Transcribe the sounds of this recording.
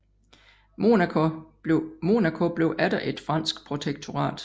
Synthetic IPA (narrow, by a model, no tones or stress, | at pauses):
o | mo̝nækʰo̝b̥le̝ʊʔæd̥ɐʔe̝d̥fʁɑ̈n̰sɡ̥pʰʁo̝t͡sʰeɡ̥̚t͡sʰo̝ʁɑ̰̈ːd̥